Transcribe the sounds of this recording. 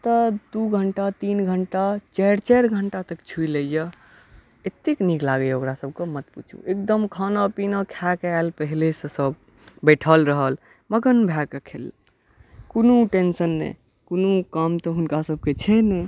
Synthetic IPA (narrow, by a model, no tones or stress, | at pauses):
t̪əd̪uɡʱəɳʈat̪inɡʱəɳʈat͡ʃɛɾt͡ʃɛɾɡʱəɳʈat̪əkt͡ʃʰuiləjə | et̪ːikniklaɡejokɾasəb̚ʱkemət̪put͡ʃʰṵ̃ek̚d̪əmkʰanapinakʰakalpəɦilesə̃səb | beʈʰəlɾəɦəl | məɡənbʱakekʰel | konuʈensənːḛ | konukamt̪ɔɦunkasəb̚ʱket͡ʃʰɛnɛ